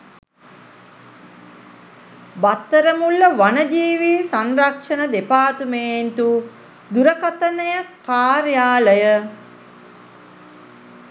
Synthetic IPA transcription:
bat̪ːəɾəmulːəʋanəd͡ʒiːʋiːsanrakʂənəd̪epaːt̪umeːnt̪u | d̪uɾəkat̪ɐnəjəkaːɾjaːləjə

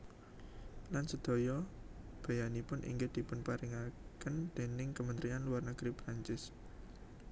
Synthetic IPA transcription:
lansəd̪̥ɔ̤jɔ | b̥ä̤janipʊnʔḭŋɡɪd̪̥i̤pʊnpaɾɪŋakənd̪̥e̤nɪŋkəmənt̪ɾianluwarnəɡ̥ɾipɾaɲt͡ʃɪs

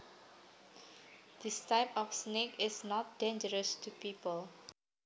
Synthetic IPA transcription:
d̪̥istaɪpɔfsnekɪsnɔt̚dẽnd͡ʒəɹəstʰupiːpəl

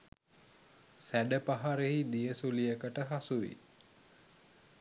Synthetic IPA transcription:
sæɖəpaɦaɾeɦid̪ijəsulijəkəʈəɦasuʋḭ

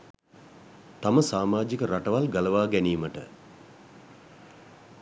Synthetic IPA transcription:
t̪aməsaːmaːd͡ʒikəɾaʈəʋalɡaləʋaːɡæniːməʈə̰

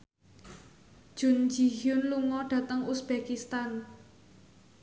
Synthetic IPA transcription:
ʒ̥ʊ̤nd͡ʒiɦjʊnluŋɔɖ̥ä̤t̪əŋusb̥ekist̪an

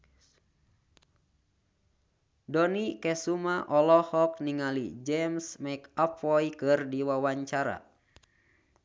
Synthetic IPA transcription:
dɔnikɛsumaʔɔlɔhɔk̚niŋalḭd͡ʒɛmsmɛkapɔjkɨrdiwawaɲt͡ʃaɾa̰

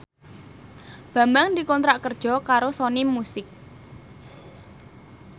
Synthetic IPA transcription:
b̥ä̤mbaŋd̪ikɔnt̪ɾaʔkərd̥ʒ̥ɔ̤kaɾosɔnimusɪk̚

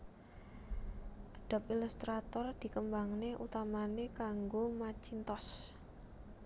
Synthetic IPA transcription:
ʔaɖ̥a̤p̚ilust̪ɾat̪ɔrd̪̥i̤kəmbaŋneʔut̪amanekaŋɡomat͡ʃint̪ɔs

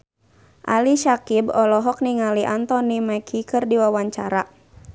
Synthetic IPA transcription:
ʔaliʃakibɔlɔɦɔk̚niŋaliʔant̪ɔnimɛkʰikɨrdiwawaɲt͡ʃaɾa

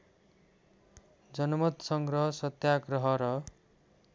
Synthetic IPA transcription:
d͡ʒʌnɔmɔt̪sʌŋɡɾʌɦɔsʌt̪jaɡɾɔɦʌɾʌ

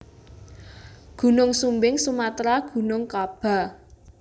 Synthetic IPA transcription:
ɡ̥ṳnʊŋsumbɪŋsumat̪ɾaɡ̥ṳnʊŋkab̥a̤

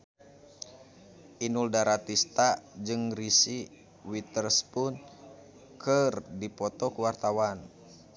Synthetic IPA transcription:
ʔinuldaɾat̪ist̪ad͡ʒɨŋrisi | wit̪ərspun | kʰɨrdipɔt̪ɔkuwart̪awan

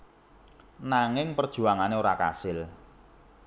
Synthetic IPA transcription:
naŋɪŋpərd̥ʒ̥uaŋaneoɾaka̰sɪl

